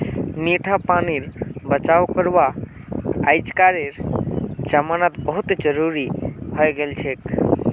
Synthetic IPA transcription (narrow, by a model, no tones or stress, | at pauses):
niʈʰapaniɾbət͡ʃawkəɾʋa | ajd͡ʒkaɾeɾd͡ʒəmanat̪bəɦut̪d͡ʒəɾuɾihɔjɡelt͡ʃʰek